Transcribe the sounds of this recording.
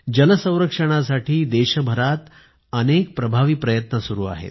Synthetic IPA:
d͡ʑənəsə̃w̃ɾəkʂəɽ̃asaʈʰiːd̪eɕəbʱəɾat̪ | ənek̚pɾəbʱaʋiːpɾəjət̪nəsuɾuːa̰ɦḛt̪

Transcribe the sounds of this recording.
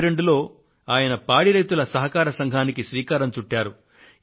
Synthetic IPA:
ɾe̞ɳɖulo̞ː | aːjɐnɐpaːɽiɾɐjt̪ulɐsɐɦɐkaːɾɐsɐŋɡʱaːnikiʃʋiːkaːɾɐmt͡ʃuʈːaːɾu

